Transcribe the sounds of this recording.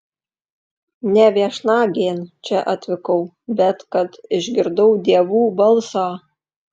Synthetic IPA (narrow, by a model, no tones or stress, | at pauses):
nʲɛʋʲiɛʃnɑːɡʲeːnt͡ʃʲɛʔɐt̪ʲʋʲɪkɐʊ | bʲɛt̪kɐt̪ɪʒʲɡʲɪɾd̪ɐʊd̪ʲiɛʋuːbɐlˠsɑː